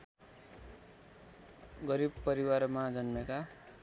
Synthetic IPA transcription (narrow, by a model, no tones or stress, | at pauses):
ɡʌɾibpʌɾiwarmad͡zʌnmeka